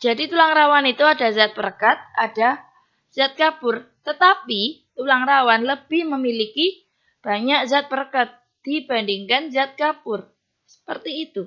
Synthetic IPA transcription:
d͡ʒadit̪ulaŋɾawanit̪uadazat̪̚bərkat̪̚ada | z̥at̪̚kapʊrt̪ət̪apit̪ulaŋɾawanləb̥ɪhməmiliki | b̥aɲakzat̪̚bərkat̪̚ | d̥ib̥andiŋkanzat̪̚kapʊr | sə̥pərt̪iːt̪u

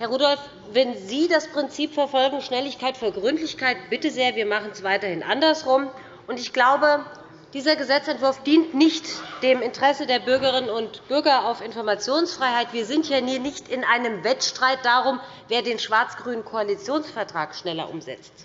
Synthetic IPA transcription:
hɛɐʁuːdɔlf | vɛnziːdaspʁ̥ɪnt͡siːpfɛɐfɔlɡŋ̩ʃnɛlɪçkaɪtfyːɐɡʁʏntlɪçkʰaɪt̚b̥ɪtəzeːɐviːɐmaχənsv̥aɪtɐhɪnʔa̰ndɐsʁʊm | ʔʊntɪçɡ̥laʊbə | d̥iːzɐɡəzɛt͡sɛntv̥ʊɐfd̥iːntnɪçtd̥eːmɪntəʁ̥ɛsədeːɐbʏɐɡəʁɪnənʊntb̥ʏɐɡɐaʊfɪnfɔɐmat͡sjoːnsfʁ̥aɪhaɪtv̥iːɐzɪntʰjaːniːɐnɪçtɪnʔaɪnəmvɛtʃtʁ̥aɪt̚d̥aːʁʊm | veːɐdeːnʃv̥aɐt͡sɡ̥ʁyːnənkʰoalit͡sjoːnsfɛɐtʁ̥aːkʃnɛlɐ̰ʔʊ̰mzɛ̰t͡st

